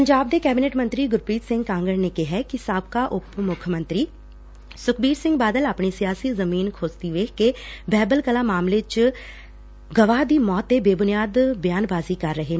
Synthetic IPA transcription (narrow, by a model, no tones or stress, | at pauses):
pəɲd͡ʒaːb̚d̪eːkɛːbineːʈmə̃nt̪ɾiːɡʊɾpiːt̪sɪ̃ŋɡkãːŋɡəɽneːkɪɦɛkisaːb̚kaːʔʊpmʊkʰmə̃nt̪ɾiː | sʊkʰbiːɾsɪ̃ŋɡbaːd̪əlaːpɳiːsijaːsiːzəmiːnkʰoːzt̪iːʋeːkkebɛːbəlkəlaːmaːmleːt͡ʃ | ɡəʋaːd̪iːmɔːt̪ːeːbeːbʊnijaːd̪bjaːnbaːziːkəɾːəɦeː